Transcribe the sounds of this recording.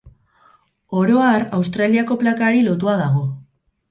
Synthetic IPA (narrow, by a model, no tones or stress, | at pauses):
o̞ɾo̞arawst̪ɾaliako̞plakaɾilo̞t̪uaðaɣ̞o̞